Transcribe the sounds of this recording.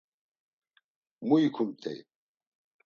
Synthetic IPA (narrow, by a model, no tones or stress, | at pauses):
muikʰumt̪ʰɛ̰j